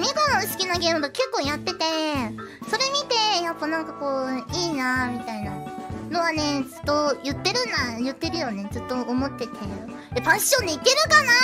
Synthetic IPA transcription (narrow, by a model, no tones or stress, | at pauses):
mʲiɡonosɨ̥kʲinaɡʲe̞ːmɯ̟d̪oke̞kːo̞ːjat̪ːe̞t̪e̞ | so̞ɾe̞mʲit̪e̞japːanãŋkako̞ːiːnamʲit̪ainano̞βane̞zɨ̥t̪ːo̞jɯ̟t̪ːe̞ɾɯ̟najɯ̟t̪ːe̞ɾɯ̟jo̞ne̞zɨt̪ːo̞ʔomo̞t̪ːe̞t̪ʰe̞ | ebãɕːõ̞nd̪eike̞ɾɯ̟kana